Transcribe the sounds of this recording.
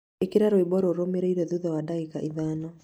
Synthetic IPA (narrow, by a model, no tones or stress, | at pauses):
ekiɾaɾoibɔɾoɾomeɾeiɾɛðuðɛwadaikaʔiðanɔ